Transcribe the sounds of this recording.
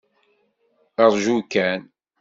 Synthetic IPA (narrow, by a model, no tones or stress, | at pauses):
əɾˤʒukːæn